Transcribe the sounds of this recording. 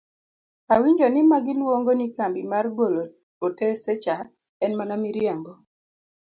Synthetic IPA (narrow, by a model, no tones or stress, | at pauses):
awiɲd͡ʒonimaɡɪlwoŋɡonikambimarɡolo | otɛsɛt͡ʃa | ɛnmanamiɾjaŋɡɔ